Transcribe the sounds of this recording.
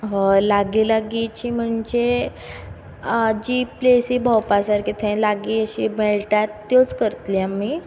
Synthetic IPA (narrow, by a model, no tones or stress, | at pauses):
ɦəlaɡilaɡit͡ɕiːm̤əɳd͡ʑe | d͡ʑiplesiːbʱawpasaɾkit̪ʰẽlaɡiəɕḭmeɭʈat̪ːjot͡skəɾt̪liamːi